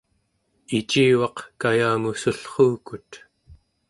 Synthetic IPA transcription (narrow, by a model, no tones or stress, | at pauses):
it͡ʃiːwɑqkajaːmusuɬχuːkut̪